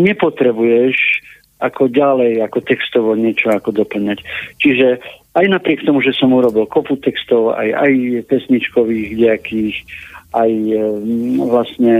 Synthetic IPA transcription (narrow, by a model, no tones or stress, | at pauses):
ɲɛpɔt̪ɾɛbujɛʃ | akɔɟalɛjakɔt̪ɛkst̪ɔʋɔɲɪɛt͡ʃɔakɔd̪ɔpl̩ɲact͡ʃiʒɛajnapɾɪɛkt̪ɔmuʒɛsɔmuɾɔbilkɔput̪ɛkst̪ɔʊa̰ja̰jpɛsɲit͡ʃkɔʋiːɣɟɛakiːxʔaj | ʋlast̪ɲɛ